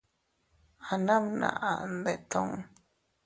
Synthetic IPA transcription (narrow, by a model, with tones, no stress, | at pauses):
a˨nã˦mna̰˨ʔa˨ʔnd̪e˨t̪ʰõ˦ŋ